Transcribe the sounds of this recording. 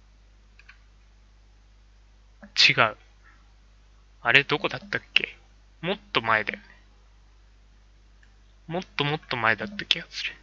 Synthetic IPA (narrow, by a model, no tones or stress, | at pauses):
t͡ɕiɡaɯ̟ | aɾe̞d̪o̞ko̞d̪at̪ːakːe̞̰ | mo̞t̪ːo̞mae̞d̪ajone | mo̞t̪ːo̞mo̞t̪ːo̞maed̪at̪ːakʲiɡasɨ̥ɾɯ̥